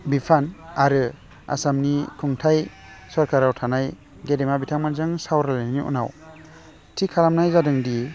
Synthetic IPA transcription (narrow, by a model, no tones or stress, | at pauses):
bipʰanaɾɯ | a̰samnikʰuŋtʰaj | sɔɾkʰaɾawtʰanaj | ɡedemabitʰaŋmanzaŋsawɾalanniʔṵna̰w | tʰikʰalamnajzadɯŋdi